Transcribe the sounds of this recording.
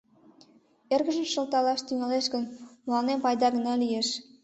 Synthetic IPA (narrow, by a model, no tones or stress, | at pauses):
erɣə̆ʒəmʃə̆lt̪ɑlɑʃt̪yŋɑleʃɡənmlɑnempɑjd̪ɑɡənɑlieʃ